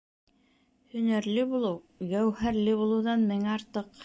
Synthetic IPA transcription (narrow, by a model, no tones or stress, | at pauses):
hɵ̆næɾlɘbulˠɤw | ɡæwhæɾlɘbulˠɤ̆wðɑnmɘŋæɑɾt̪ɤq